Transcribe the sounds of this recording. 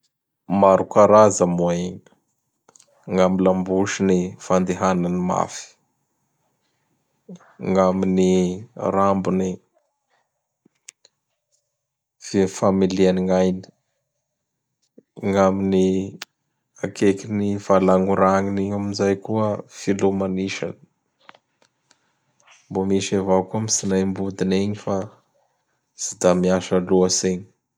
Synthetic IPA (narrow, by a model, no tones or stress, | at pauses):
maɾukaɾazamueŋ | ŋamilambuʃinifand̪eɦananima̰fi̥ | ŋaminirambuni | vifamilianiŋajni̥ | ŋamini | akʰekiniv̥alaŋuɾaŋiniɲaminzajkuəfilumaniʃa̰nə̥ | mbomiʃevakuamisinajmbud̪ineɲifa | z̥id̪amiaʃəluəseɲ